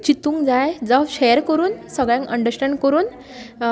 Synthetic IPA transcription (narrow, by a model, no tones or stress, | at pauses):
t͡ɕit̪ũːŋɡd͡zajd͡zaɕɛjəɾkəɾuːnsəɡɭjãŋkəɳɖəɾsʈɛ̃ɳɖkəɾuːn